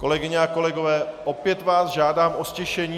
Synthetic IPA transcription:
ko̞lɛɡɪɲɛako̞lɛɡo̞vɛːʔopjɛt̪vaːsʒaːdaːmʔo̞scɛʃɛɲiː

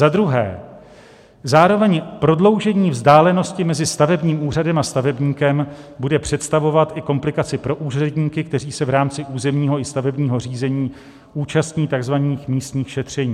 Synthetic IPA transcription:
zad̪ɾuɦɛ̰ː | zaːɾo̞vɛɲpɾo̞dlo̞wʒɛɲiːvzdaːlɛno̞scɪmɛzɪst̪avɛbɲiːmuːr̝adɛmast̪avɛbɲiːkɛmbudɛpr̝̥ɛt̪st̪avo̞vat̪ʔɪko̞mplɪkat͡sɪpɾo̞ʔuːrɛdɲiːkɪk̚t̪ɛɾiːsɛvɾaːmt͡sɪʔuːzɛmɲiːɦo̞ɪst̪avɛbɲiːɦo̞riːzɛɲiː | uːt͡ʃast̪ɲiːt̪aɡzvaniːxmiːst̪ɲiːxʃɛt̪r̝̥ɛɲiː

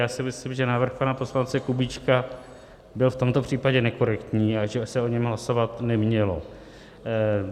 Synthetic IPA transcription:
jaːsɪmɪslɪmʒɛnaːvr̩xpanapo̞slant͡sɛkubit͡ʃka | bɪlft̪o̞mt̪o̞pr̝̥iːpaɟɛnɛko̞ɾɛkt̪ɲiːaʒɛsɛo̞ɲɛmɦlaso̞vat̪nɛmɲɛlo̞

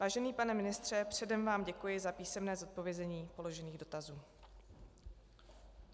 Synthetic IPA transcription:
vaːʒɛniːpanɛmɪnɪst̪r̝̥ɛpr̝̥ɛdɛmvaːmɟɛkujɪzapiːsɛmnɛːzo̞t̪̚po̞vjɛzɛɲiːpo̞lo̞ʒɛniːɣdo̞t̪azuː

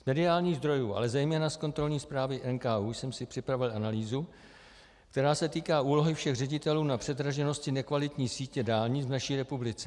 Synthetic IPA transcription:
zmɛdɪaːlɲiːɣzd̪ɾo̞juːʔa̰lɛzɛjmɛːnasko̞nt̪ɾo̞lɲiːspɾaːvɪʔɛnkaːuːjsɛmsɪpr̝̥ɪpɾavɪlʔanaliːzu | k̚t̪ɛɾaːsɛt̪iːkaːʔuːlo̞ɦɪfʃɛɣrɛɟɪt̪ɛluːnapr̥ɛd̪ɾaʒɛno̞scɪnɛkvalɪt̪ɲiːsiːcɛdaːlɲivnaʃiːɾɛpublɪt͡sɛ̥

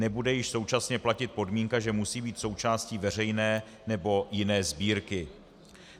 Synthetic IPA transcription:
ɛbudɛjɪʃso̞wt͡ʃasɲɛplacɪt̪̚po̞dmiŋkaʒɛmusiːbiːt̪so̞wt͡ʃaːsciːvɛr̝ɛjnɛː | nɛbo̞jɪnɛːzbiːɾkɪ

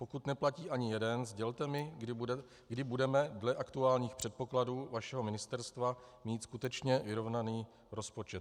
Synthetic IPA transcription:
po̞kut̪nɛplaciːʔaɲɪjɛdɛnzɟɛlt̪ɛmɪ | ɡdɪbudɛmɛdlɛʔakt̪uaːlɲiːxpr̝̥ɛt̪̚po̞kladuːvaʃɛɦo̞mɪnɪst̪ɛɾst̪vamiːt̪skut̪ɛt͡ʃɲɛvɪɾo̞vnaniː | ɾo̞spo̞t͡ʃɛt̪̚

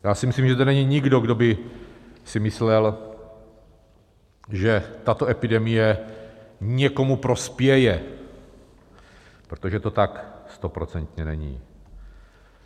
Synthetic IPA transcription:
jaːsɪmɪsliːmʒɛt̪ɛnɛɲiɲɪɡdo̞ɡdo̞bɪ | sɪmɪslɛl | ʒɛt̪at̪o̞ʔɛpɪdɛmɪjɛ | ɲɛko̞mupɾo̞spjɛjɛ | pɾot̪oʒɛt̪o̞t̪akst̪o̞pɾot͡sɛnt̪ɲɛnɛɲḭː

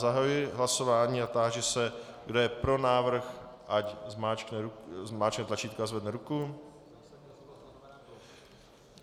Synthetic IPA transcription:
zaɦajujɪɦlaso̞vaːɲiːat̪aːʒɛsɛ | ɡdojɛpɾo̞naːvr̩xʔaczmaːt͡ʃknɛzmaːt͡ʃknɛt̪lat͡ʃiːt̪kazvɛdnɛɾuku

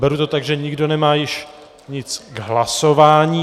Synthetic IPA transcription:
bɛɾut̪ot̪aɡʒɛɲɪɡdo̞nɛmaːjɪʃ | ɲɪt͡sɡɦlasovaːɲiː

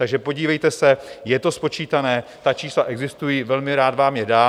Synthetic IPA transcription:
t̪aɡʒɛpo̞ɟiːvɛjt̪ɛsɛjɛt̪o̞spo̞t͡ʃiːt̪anɛːt̪at͡ʃiːslaʔɛɡzɪst̪ujiːvɛlmɪɾaːt̪vaːmjɛdaː

